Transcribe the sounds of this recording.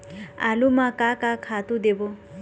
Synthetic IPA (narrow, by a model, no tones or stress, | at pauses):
a̰lumakakakʰat̪ud̪ebo